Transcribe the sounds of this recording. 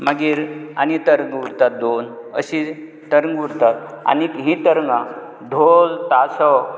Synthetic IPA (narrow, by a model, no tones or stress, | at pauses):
məɡiːɾa̰nit̪əɾŋɡʋuɾt̪at̪̚d̪onə̰ɕi | t̪əɾŋɡuɾt̪at̪̚a̰nikɦĩt̪əɾŋɡa | d̪ʱolt̪asɔw